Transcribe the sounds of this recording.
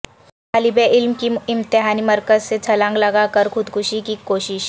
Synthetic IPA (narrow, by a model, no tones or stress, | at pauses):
kʰalibeʔilmkiimt̪iɦaniːməɾkəd͡zset͡sʰəlãŋɡlaɡakəɾkʰud̪kʰuɕikikoɕiɕ